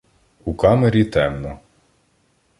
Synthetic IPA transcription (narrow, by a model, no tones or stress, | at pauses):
ukɑmeɾʲit̪ɛmnɔ